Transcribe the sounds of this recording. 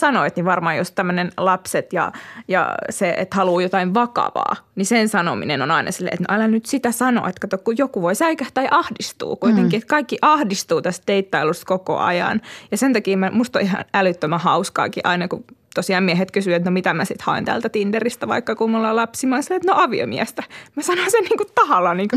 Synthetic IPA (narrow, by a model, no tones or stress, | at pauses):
sɑnoit̪niʋɑrmɑːjost̪æmːønenlɑpset̪jɑ̰jɑ̰seḛt̪hɑluːjot̪ɑiʋʋɑkɑ̰ʋɑ̰ːnisensɑno̰mḭnenonɑinʔɑ̰silːḛːet̪no̰ʔælænyt̪sit̪æsɑno̰ːet̪kɑt̪okkujokuʋoisæikæht̪ɑiʔɑhdist̪ṵːkuit̪eŋkiet̪kɑikːiʔɑhdist̪uːt̪æst̪̚d̪eit̪ːɑilust̪koko̰ɑ̰jɑ̰njɑsent̪ɑkiːmæmust̪o̰ihɑ̰nælyt̪ːømæhɑuskɑ̰ːkiʔɑinɑkut̪osiɑːmmiɛhet̪kysyʋæt̪nomit̪æmæsit̪hɑ̰ḛnt̪æ̰ːlt̪æt̪ind̪erist̪æʋɑ̰ikːɑkuːmulːɑlɑpsimɑːnsilːet̪noɑʋio̰miæst̪æmæsɑnosenniːŋkutt̪ɑhɑlɑniːŋku